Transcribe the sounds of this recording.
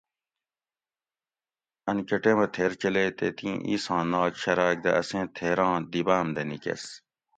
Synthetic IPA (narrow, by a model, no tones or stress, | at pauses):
ɐnkɐʈemɐt̪ʰeɾt͡ɕɐleːt̪et̪ĩʔḭsãːnaːkɕɐɾaːk̚d̪ɐʔɐsẽːt̪ʰeːɾãːd̪ibaːmd̪ɐnikḛs